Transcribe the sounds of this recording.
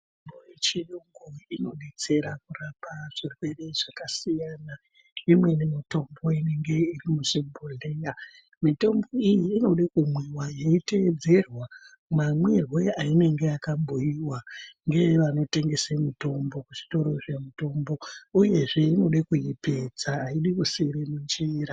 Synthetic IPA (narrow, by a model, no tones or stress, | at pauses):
bojet͡ʃiɗoŋɡoino̞ɗe̞t͡se̞ɾakurapaʐ̥irwe̞re̞ʐ̥akasijana | imwe̞nemito̞mbo̞ine̞ŋɡe̞irimusemboɮeja | mito̞mbo̞ijiːno̞ɗakumwiwajeite̞d͡ze̞rwa | mamwirwe̞aine̞ŋɡeakamboiwaŋɡe̞ʋano̞te̞ŋɡe̞semito̞mbo̞kuʐi̥to̞ɾo̞ʐemito̞mbo̞uje̞ʐe̞ino̞ɗakujipe̞d͡zaːiɗikuseɾemund͡ʒeɾa